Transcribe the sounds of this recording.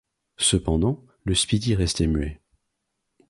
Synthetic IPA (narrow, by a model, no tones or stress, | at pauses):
səpɑ̃d̪ɑ̃ | ləspid̪iʁɛst̪ɛmye